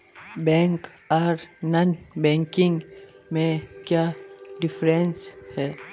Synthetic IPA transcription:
bɛ̃ːŋk | ɔːɾnanbɛ̃ːŋkɪ̃ŋɡ | mẽkjaːɖɪfʰɾẽnshɛː

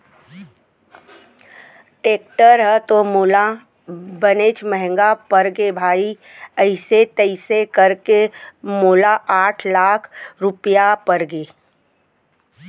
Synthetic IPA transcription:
ʈeːk̚ʈəɾɦɛt̪omuːla | bəneːt͡ʃmɛɦɛ̃ŋɡapəɾɡebʱaːi | əɪset̪əɪsekəɾkemoːlaʔaːʈʰlaːkʰɾʊpjapəɾɡeː

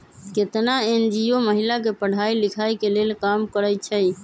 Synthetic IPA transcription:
ket̪naend͡ʒioməɦilakepəɽ̤ʱailikʰajkelelkamkəɾət͡ʃʰəj

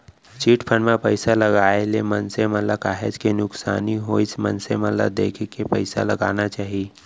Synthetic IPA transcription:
t͡ʃiːʈpʰənmẽpəɪsalɐɡaːelemənsemət̪lakaːɦed͡ʒkenʊksa̰ːniɦoːismɐ̰nsemələ̰bd̪eːkʰkepə̰ɪsa̰lɐɡa̰ːnat͡ʃaːɦie

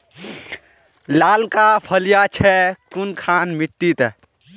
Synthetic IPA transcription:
laːlkapʰəljat͡ʃʰɛkunkʰanmiʈːit̪

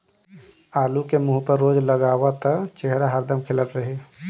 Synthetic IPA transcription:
aːlukemuːɦpəɾːoːd͡ʒləɡaːwat̪ət͡ʃeɦɾaɦəɾd̪əmkʰɪlət̪ɾəɦe

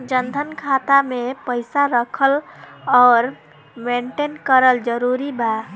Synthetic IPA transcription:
d͡ʒənd̪ʱənkʰat̪amepəɪsaɾəkʰəlɔɾ | meɳʈenkəɾəld͡ʒəɾuɾiba

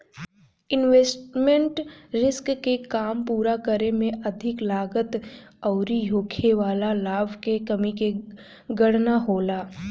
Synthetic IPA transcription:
ɪnʋeːsʈmẽɳʈɾɪskkekaːmpuːɾakəɾemẽʔɐd̪ʱɪklaːɡət̪ɐʊɾijoːkʰeʋaːlalaːbʱkekɐmike | ɡɐɽ̤naɦoːlaː

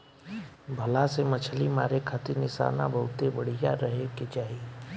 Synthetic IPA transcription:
bʱəlasemət͡ʃʰlimaːɾekʰaːt̪iɾnɪʃa̰ːna̰bəɦʊt̪ebɐɽ̤ijaɾɐɦeket͡ʃaːɦie

